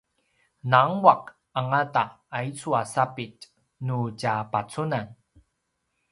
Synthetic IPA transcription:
naŋwaq | aŋataː | it͡suasapit | nuɟapat͡sunan

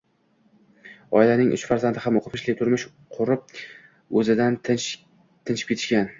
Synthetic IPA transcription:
ɒjlanɪŋʔʊ̰t͡ʃfaɾzand̪ɪhamoqʰʊpʰɪʃlɪk̚ʲt̪ʰʊɾmɪʃ | qʰʊɾɪp̚ | ɵzɪd̪an | t̪ʰɪnt͡ʃʰɪ̥p̚kʰʲet̪ʰɪ̥ʃkʲan

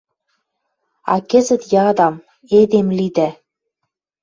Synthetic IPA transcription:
ɑ̰kɘ̆zɘ̆t̪jɑd̪ɑm | ed̪emlid̪æ

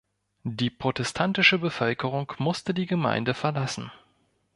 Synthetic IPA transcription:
d̥iːpʁ̥otɛstʰantɪʃəbəfœlkəʁ̞ʊŋkmʊstədiːɡəma̰ɪndəfɛɐlasn̩

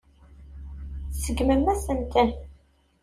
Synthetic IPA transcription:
səɡməmæsənt̪ʰæ

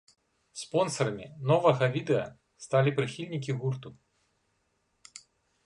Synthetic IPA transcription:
spɔnsɐɾɐmʲḭnɔvɐɣɐvʲid̪ɛɐ̰ | st̪alʲipɾɨxʲilʲnʲik̬ʲiɣurt̪u

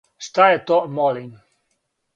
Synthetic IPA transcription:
ʃt̪ajɛt̪omɔlin

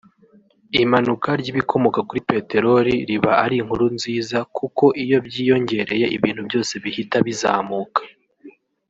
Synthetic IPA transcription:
imanukaɾɟiβikʰo̞mo̞kakuɾipe̞ːte̞ɾo̞ɾiɾiβaaɾiŋhuɾunziːzakuko̞ʔijo̞bɟiːjo̞ɲɟe̞ɾe̞je̞ʔḭβiːn̥hubjo̞ːse̞βihitaβizaːmuːkḁ

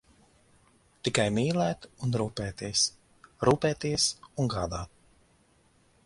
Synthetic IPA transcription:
t̪ikajmiːlæːt̪unɾuːpɛːt̪iɛs | ɾuːpɛːt̪iɛsuŋɡaːd̪aːt̪̚

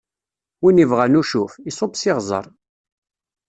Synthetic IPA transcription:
winivʁænuʃufisˤobsɪʁzˤə̰ɾˤ

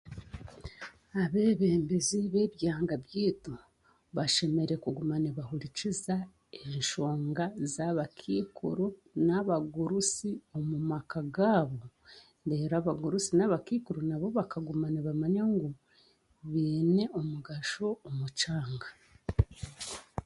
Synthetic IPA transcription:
aβe̞βe̞ːmbeziβe̞ːβjaːŋɡaβjiːtu | βaʃe̞me̞ɾekuɡumaneβahuliciza | e̞ɲʃo̞ːŋɡazaβakʰiːkʰuɾunaβaɡuɾusio̞mumakaɡaːβo̞ | ndeɾaβaɡuɾusinaβakiːkuɾunaβo̞βakaɡumaneβamaɲaŋɡu | βeːne̞o̞muɡaʃo̞ːmut͡ʃaːŋɡḁ

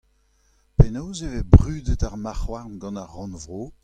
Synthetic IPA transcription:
penowzevebʁyːdətaʁmaχwaʁnɡɑ̃naʁːɑ̃nvʁoː

